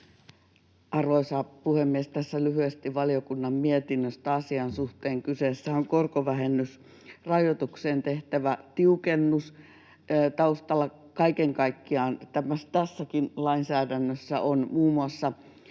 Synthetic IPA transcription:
ʔɑrʋoisɑpuhemːiest̪æsːælyhyest̪iʋʋɑliokunːɑmmiet̪inːøst̪æɑsiɑnsuht̪eːŋkyseˑsːæoŋkorkoʋæhenːys | rɑjot̪ukseːnt̪eht̪æʋæt̪iukenːus | t̪ɑust̪ɑlːˑɑ | kɑikeŋkɑikːiɑːnt̪æmæst̪æsːækinlɑinsæːdænːøsːæ̰ʔonmuːmuɑsːɑ

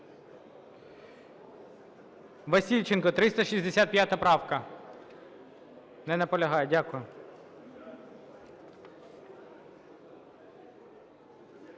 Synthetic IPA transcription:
ʋɐsʲilʲt͡ʃenkɔt̪ɾɪst̪ɐʃisʲd̪esʲat̪̚pʲjat̪ɐpɾɑwkɐ | nɛnɐpɔlʲɐɦɑjɛdʲakʊjʊ

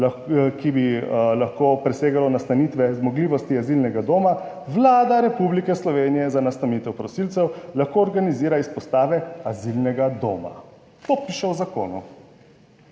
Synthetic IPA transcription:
kibilaxkopɾɛseːɡalɔnast̪aniːt̪ʋɛzmɔɡliːʋɔst̪iazilnɛɡad̪oːma | ʋlaːd̪aɾɛpublikɛslɔʋeːnijɛzanast̪amit̪ɛwpɾɔsiːlt̪sɛwlaxkoɔɾɡaniziːɾaispɔst̪aːʋɛazilnɛɡad̪oːma̰ | t̪oːpiʃɛwzako̰ːnṵ

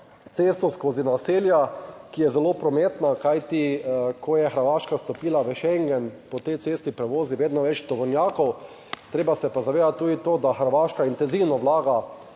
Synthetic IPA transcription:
t̪seːst̪ɔskoːzinaseːljakijɛzɛloːpɾɔmeːt̪nakajt̪ikʰɔjɛxəɾʋaːʃkast̪ɔpiːlaʋəʃɛŋɡɛnpɔt̪ɛjt̪seːst̪ipɾɛʋoːziʋeːd̪nɔʋɛt͡ʃt̪ɔʋɔwnʲjaːkɔw | t̪ɾeːbasɛpazaʋeːd̪at̪ːuːd̪it̪oːd̪axəɾʋaʃkaint̪ɛnziwnɔʋlaːɡa

